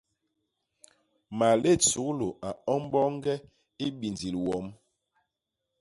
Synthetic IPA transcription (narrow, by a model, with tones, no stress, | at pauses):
ma˨le˦˨t͡su˨˦klo˨a˨ɔ˦m˦bɔ˦ŋ˦ɡɛ˦ | i˦bi˨nd͡zi˨lwɔ˨˦m